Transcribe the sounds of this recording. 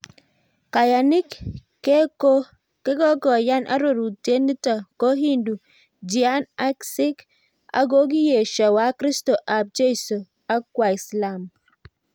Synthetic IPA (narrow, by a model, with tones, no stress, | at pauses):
ka˨ja˨nɪ˦kː | e˦ko˦ | kɛ˦ɡɔ˦ɡɔ˨ja˦nʔa̰˦ɾo˨ɾu˨te˦ni˦tɔ˨ko˦ɦi˦ndu˨ | d͡ʒi˨a˦na˦ksɪ˦k | a̰˦ɡo˦ɡi˦je˨ʃɔ˨wa˨˦kɾi˦sto˨ʔa˨p̚d͡ʒe˦˨so˨ | a˦kwa˨i˨sla˦˨m